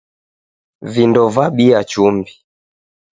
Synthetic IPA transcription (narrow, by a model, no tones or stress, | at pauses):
vindɔvaɓiat͡ʃumbi